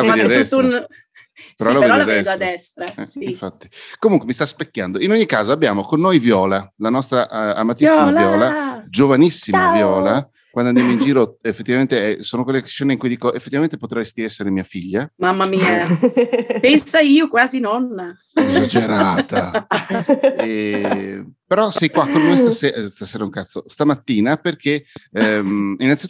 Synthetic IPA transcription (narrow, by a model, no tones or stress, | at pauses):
aved̪iad̪ɛst̪n | peɾɔlavɾedɔaad̪ɛsd̪oad̪ɛst̪ɾaɛiɱfat̪ːi̥komuŋkwemist̪aspekʲːand̪oinoɲːikːaːzoabːjaːmokonːojvjɔːlalanɔst̪ɾaʔamat̪isːimalvjɔːlad͡ʒovanisːimavjɔːla | kwand̪and̪jamoind͡ʒiːɾoefːe̥t̪ːivament̪eɛsoːnokwelːekʃːɛnːeiŋkujd̪iːkoʔefːet̪ːivament̪e̥pot̪ɾɛjst̪iɛsːeɾemiːafiʎːamamːamiːa | pɛnsaiːokwaːzinɔnːa | ezad͡ʒeɾaːt̪a | ɛ | peɾɔsɛjkwakːonvojst̪aseːst̪aseːɾauŋkat̪sost̪amat̪ːiːnaperkʰe | inːanit̪